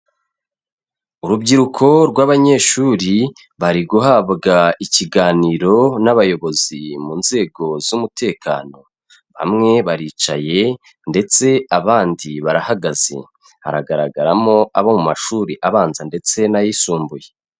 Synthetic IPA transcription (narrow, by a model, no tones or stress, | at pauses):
uɾubɟiɾukʰo̞ɾɡwaːβaɲe̞ːʃuːɾi | βaɾiɡuɦabɡaiciɡaːniːɾo̞naβajo̞βo̞zimuːnze̞ːɡo̞zumutʰe̞ːkʰa̰ːno̞ | βa̰mŋe̞βaɾiːt͡ʃa̰je̞ | nde̞t͡se̞aβaːndiβaɾahaɡaz̥e̞̰ | ha̰ɾa̰ɡaɾaɡaɾamo̞aβomumaʃuːɾiʔaβaːnzande̞t͡se̞najisuːmbuje̞